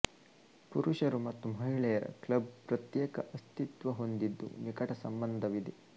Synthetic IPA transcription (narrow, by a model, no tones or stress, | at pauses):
puɾuʃɐɾumɐt̪ːumɐɦiɭɛjɐɾɐ̰klɐbpɾɐt̪jɛːkɐʔɐst̪it̪ʋɐɦo̞nd̪id̪ːṵnikɐʈɐsɐmbɐnd̪ʱɐʋid̪e